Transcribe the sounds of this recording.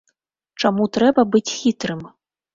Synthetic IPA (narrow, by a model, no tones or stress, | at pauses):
t͡ʂamut̪ɾɛbɐbɨt͡sʲxʲit̪ɾɨm